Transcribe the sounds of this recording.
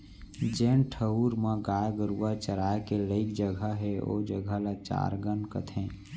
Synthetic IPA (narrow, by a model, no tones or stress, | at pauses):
d͡ʒeːnʈʰəuɾmə̃ɡaːjɡəɾuat͡ʃəɾaːekeləɪkd͡ʒəɡʱəɦɛo̰d͡ʒəɡʱəlat͡ʃa̰ːɾɡənkət̪ʰɛ̃ː